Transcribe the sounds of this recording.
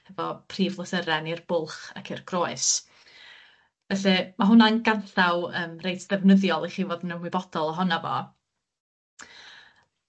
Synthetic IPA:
hɛvɔpʰriːvlˠəθəɾɛnirb̥ʊlˠχa̰kʰɪrɡ̥roːɨs | vɛɬɛmaɦʊnanɡanθawəːmrejtʰðɛvnəðjɔlˠiχiːvoːdənəmwɪbɔd̥ɔlˠɔɦɔnavɔ̰

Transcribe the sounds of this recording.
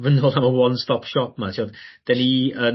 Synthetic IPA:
vənoːlˠaməwɔnstɔpʃɔp̚ʰmatʰiodd̥ɛniə

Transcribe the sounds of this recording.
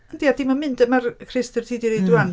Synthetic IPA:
əndiad̥imanmɪndəmarkʰrɪstərtʰiːdiɾejduan

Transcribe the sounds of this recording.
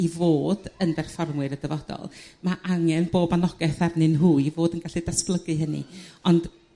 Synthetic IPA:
ivoːdəndɛrfɔrmwɨɾədəvɔd̥ɔ̰lˠmaʔaŋɛnboːbanɔɡ̥ɛθarnɨnɦuːɨivoːdənɡaɬidasplˠəɡɨɦənḭɔnd̥

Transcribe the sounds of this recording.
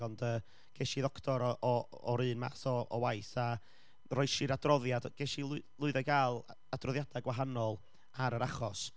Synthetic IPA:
ɔndəː | ɡ̥ɛʃiðɔktʰɔɾɔʔɔ | ɔɾɨːnma̰θɔɔwajθa | rɔɨʃɪɾadrɔðjadɡ̥ɛʃillˠʊɨðɛɡaːlˠ | adrɔðjadaɡwaɦanɔlˠ | aɾəɾaχɔs

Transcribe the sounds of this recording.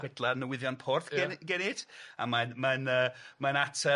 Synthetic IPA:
ɛdlˠanəwɪðjɔnpʰɔrθɛnɡɛnɪd̥a̰manmanəːmanatʰə

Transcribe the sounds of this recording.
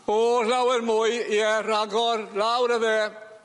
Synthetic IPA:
ɔlawɛrmʊɨiɛraɡɔrlawɾəðeː

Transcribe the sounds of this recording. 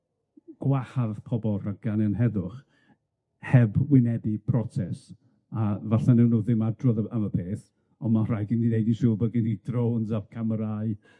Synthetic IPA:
ɡ̥wahaðpʰɔbɔraɡ̥anɛnɦɛðʊχ | hɛbwɪnɛdipʰrɔsʰɛs | avaɬanɛwnuːðɪmadrɔðəaməpʰeːθ | ɔnmar̥ajɡɪndinejdisuːbəɡɪnidronzavkʰaməɾaɨ

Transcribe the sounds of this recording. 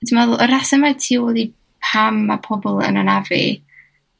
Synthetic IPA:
d̥imɛðlˠəɾasɛmatʰiːwɔlˠi | pʰamːapʰɔbɔlˠə̰nanavḭ

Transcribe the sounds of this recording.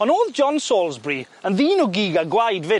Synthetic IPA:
ɔnoːðd͡ʒɔnsoːlˠzbri | ənðiːnʊɡiɡaɡwajdvɪ

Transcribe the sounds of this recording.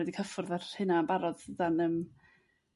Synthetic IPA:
ɛdikʰəfʊrðarhɨnambaɾɔðədanəːm

